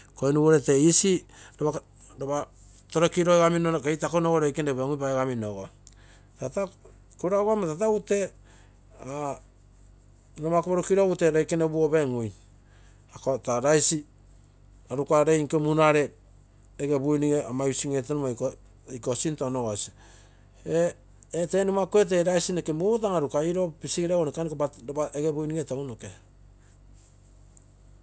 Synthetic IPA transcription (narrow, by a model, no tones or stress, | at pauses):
koenuβoɾeteisiɾoβa | ɾoβa | to̞ɾokiɾoeɡaminokejtakonoɡoɾojkeneβeŋupaeɡaminoɡo | tata | kuɾaɡamatataute̞ | a | nomakoβoɾukiɾouteɾojkenebuoβeŋuj | akotaɾajsi | aɾukaɾejŋkemunaɾe | eɡebujniŋeamajusiŋetenumako | jkosintonoɡosi | eː | tenumakoet̬eɾajsinekemut̬aŋaɾukaiɾopisiiɾaɡonekanikobaaeɡebujniŋetaunoke